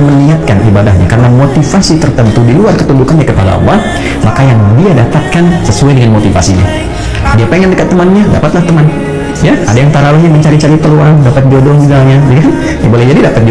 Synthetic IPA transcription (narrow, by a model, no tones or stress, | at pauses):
məniat̪̚kanibadahɲa̰kaɾənamot̪ifasit̪ərt̪ənt̪udiluarkət̪undukanɲakəpada̰ʔa̰lːa | makajaŋdiadapat̪̚kansəsuajdəŋanmot̪ifa̰siɲa̰ | diapeŋɛndəkat̪ːəmanɲada̰pat̪laht̪əman | jaʔa̰dajaŋt̪aɾalaɲaməɲt͡ʃaɾit͡ʃaɾipəluandapat̪̚diodɔŋd͡ʒuɡalɲad͡ʒukan | jabolɛhd͡ʒadidapat̪̚di